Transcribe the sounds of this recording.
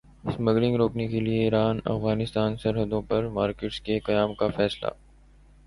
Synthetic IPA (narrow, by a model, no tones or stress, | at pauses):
ɪsmɐɡɾɪ̃ŋɡɾoːknekelieiːɾaːnɐ̰fɣaːnɪst̪aːnsɐɾɦəd̪õpɐɾmaːɾkeːʈskekɐjaːmkafɛːsla̰ː